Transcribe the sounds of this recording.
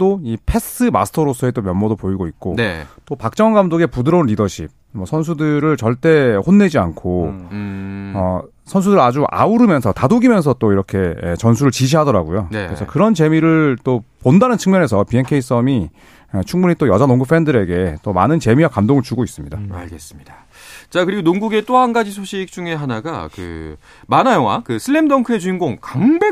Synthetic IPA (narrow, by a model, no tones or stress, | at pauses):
t͈oipʰe̞s͈ɯma̰sʰɯ̥tʰʌɾos͈ʰʌet͈omjʌnmʌdopoiɡoit̚k͈ot͈opak̚t͡ɕ͈ʌŋɡamdoɡe̞pudɯɾʌnɾidʌɕʰḭb̚ | mwʌsʰʌns̬ʰudɯɾɯɭt͡ɕʌɭt͈e̞honːe̞d͡ʑia̰nkʰo | ʌ̰ | sʰʌnsʰudɯɾɯɭad͡ʑuʔa̰uɾɯmjʌnsʰʌtadoɡimjʌns̬ʰʌt͈oiɾʌkʰe̞ḛt͡ɕʌnsʰuɾɯɭt͡ɕiɕ̬ʰiɦadʌɾaɡujokɯɾesʰʌkɯɾʌnt͡ɕe̞miɾɯɭt͈opondanɯnt͡ɕʰɯŋɲjʌne̞s̬ʰʌpie̞nkʰe̞is͈ʌmi | et͡ɕʰuŋbuɲit͈ojʌd͡ʑanoŋɡɯpʰːe̞ndɯɾe̞ɡe̞t͈oma̰nɯnt͡ɕe̞miwakamdoŋɯɭt͡ɕuɡois͈ɯmɲidaa̰ɭɡe̞s͈ɯ̥mɲid̥ḁ | t͡ɕakɯɾiɡonoŋɡuɡe̞t͈oɦanɡad͡ʑisʰoɕʰik̚t͡ɕ͈uŋe̞ɦanaɡakɯ̰ | manajʌŋwakɯsʰɯɭːemdʌŋkʰɯe̞d͡ʑuinɡoŋkaŋbe